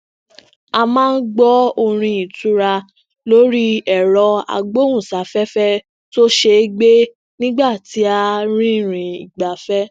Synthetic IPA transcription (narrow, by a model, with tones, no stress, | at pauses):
a˧mãː˦n̩˦ɡ͡bɔ˦o˧ɾ̃ĩ˧i˨tu˨˦ɾa˧ | lo˦ɾi˦ɛ˨ɾɔ˧a̰˧ɡ͡bo˦ũ˦˨sa˨˦fɛ˦fɛ˦ | to˦ʃe˧˦ɡ͡be˦ | nĩ˦ɡ͡ba˦˨ti˨˦a˧ɾ̃ĩ˦˨ɾ̃ĩ˨i˨ɡ͡ba˨fɛ˦